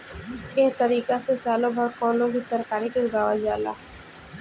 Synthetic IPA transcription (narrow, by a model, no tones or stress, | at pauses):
ɪɦt̪əɾiːkasesaːlobʱɐɾkɔ̃ːnlõbɪt̪əɾkaːɾikelɡaːʋad͡ʒaːla̰ː